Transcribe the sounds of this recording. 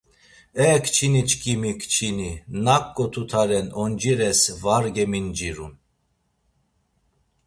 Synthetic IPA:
ɛkʰʼt͡ʃʰinit͡ʃʰʼkʼimikʰʼt͡ʃʰininakʼːɔt̪ʰut̪ʰaɾɛnɔnd͡ʒiɾɛsvaɾɡɛmind͡ʒiɾṵn

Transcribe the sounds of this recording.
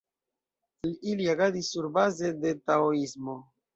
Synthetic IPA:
liliaɡadisːuɾbaze̞de̞taoismo

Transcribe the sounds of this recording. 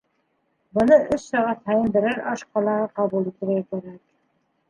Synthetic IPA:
bɤ̆nɤʔɵʃsɑʁɑt̪hæjɘ̆mb̪ɘ̆ɾɘɾʔɑʃqɑlˠɑʁɤqɑβulˠit̪ɘ̆ɾɡækæɾæk̚

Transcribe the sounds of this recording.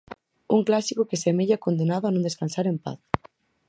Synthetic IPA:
uŋklasikokesemeʎakond̪enaðʊanõnd̪eskansaɾempa̰θ

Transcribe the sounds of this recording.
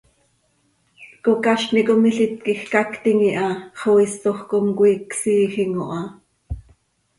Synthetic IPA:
kokɑʃnikomiɬit̪̚kixkɑkt̪iŋiʔɑχowist̪oxkomkʷiːksiːxiŋoʔɑ

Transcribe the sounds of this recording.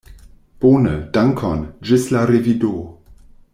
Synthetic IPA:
b̥oːnəd̥aŋkʰɔnʒɪslaɾevido

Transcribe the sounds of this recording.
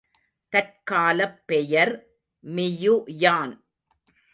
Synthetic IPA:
t̪ɐr̚kaːlɐpːɛjɐɾ | mɪjujaːn

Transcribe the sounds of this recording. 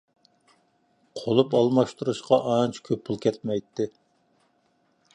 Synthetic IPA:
qʰolˠupɑlˠmɑʃt̪uɾuʃqɑʔɑnt͡ʃʰkʲʰøpʰːulˠkʲʰɛt̪̚mɛjt̪ʰːɪ

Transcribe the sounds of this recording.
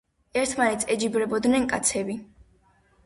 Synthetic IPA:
ɛɾt̪ʰmanɛt̪sʰɛd͡ʒibɾɛbɔd̪nɛnkʼat̪sʰɛbi

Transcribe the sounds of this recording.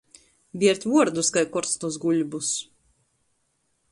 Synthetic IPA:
bʲiɛɾt̪ʲvuɔɾd̪uskajkɔɾt̪snuzɡuʎʲbus

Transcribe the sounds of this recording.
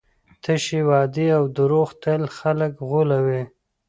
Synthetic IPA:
t̪əʃiwɑd̪iawd̪əɾoxt̪əlxaləkɣulawe

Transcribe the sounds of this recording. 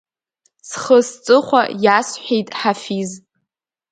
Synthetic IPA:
sχəst͡sʼɨχʷa̰jasħʷᶣejtʼħafiz

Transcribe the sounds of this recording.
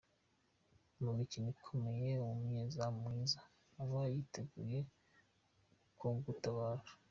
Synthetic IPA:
muɡicinikʰome̞jeuumɲezamŋiːzaː | βajiteɡuje̞ | kuːŋɡutaβaːɾḁ

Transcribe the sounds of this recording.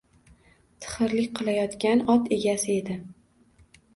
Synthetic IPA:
t̪ʰɨ̥χɨɾlɪkʲqʰɨlˠajɒt̪kʲanɒt̪e̞ɡʲasɪe̞d̪ɪ

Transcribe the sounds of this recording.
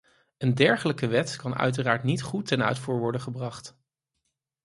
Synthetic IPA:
əndɛɹχələkəʋɛtkɑnœ̰ɥt̬əraːɹtnitχutːɛnœ̰ɥtfuːɹʋɔɹdəχəbrɑχt

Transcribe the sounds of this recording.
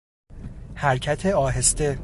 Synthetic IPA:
hæɾcʰæt̪ʰeɒːɦe̞st̪e̞

